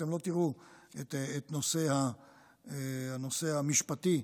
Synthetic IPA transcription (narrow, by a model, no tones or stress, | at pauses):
emlo̞t̪iʁuetːt̪no̞se̞ha | eano̞se̞hamiʃpat̪i